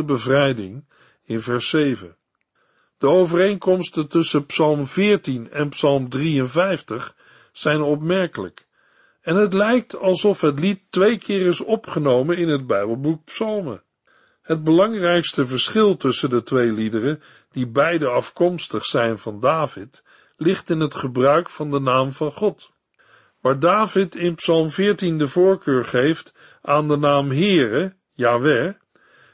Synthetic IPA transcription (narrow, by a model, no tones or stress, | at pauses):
əbəvrɛjdɪ̰ŋ | ɪnvɛɹsejvə̰n | d̥əowvərejŋkɔmstəntɵsəpsɑlˠmvɪːɹtinɛnpsɑlˠmdriənvɛjftəχ | sɛjnɔp̬mɛɹkələk | ɛnɦətlɛjk̚tʰɑlˠsɔfɦətlitːʋejkʰɪːrɪsɔpχənowmənɪnɦəd̚bɛjbəlˠbuk̚psɑlˠmə̰ | həd̚bəlɑŋrɛjkstəvəɹsχɪlˠtɵsəndətʋejlidərə | d̥ibɛjdəɑfkɔmstəχsɛjnvɑndaːvɪt | lɪχtɪnɦətχəbrœɥkfɑndənaːmvɑnχɔt | ʋaːɹdaːvɪtɪnpsɑlˠmvɪːɹtindəvʊːɹkøːɹχejft | ʔaːndənaːmɦɪːrə | jaːʋɛ